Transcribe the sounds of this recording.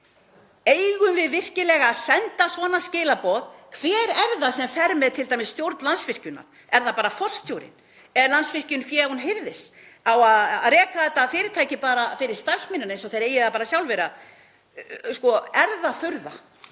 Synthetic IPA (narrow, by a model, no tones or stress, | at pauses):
eːjɣʏmvɪðvɪr̥cɪlɛːɣasɛnt̪asvɔːnascɪːlapɔːðkʰv̥ɛːɾɛɾðasɛmfɛɾmɛðt̪ʰɪlt̪aːjmɪsːt̪jowɾt̪nlansvɪr̥cʏnːa̰ɾ̥ | ɛɾðapaːɾafɔl̥st̪ʰjowɾɪ̰n | ɛɾlansvɪr̥cʏnfjɛːunɦɪɾðɪsawaðaðrɛːkaθɛt̪ːaːfɪːɾɪ̥ɾt̪ʰaːjcɪpaːɾafɪːɾɪɾ̥st̪ar̥smɪnʏnejnsɔθejɾeːjɪapaːɾasjawlvɛɾa | skɔɛɾðaθʏɾða̰